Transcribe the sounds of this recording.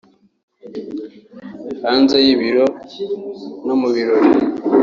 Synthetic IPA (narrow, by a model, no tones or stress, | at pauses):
haːnzejiβiɾo | nomuβiɾoɾi